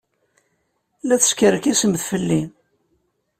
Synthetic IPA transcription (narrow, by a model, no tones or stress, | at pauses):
læθə̥skəɾəkisəmθfəlːin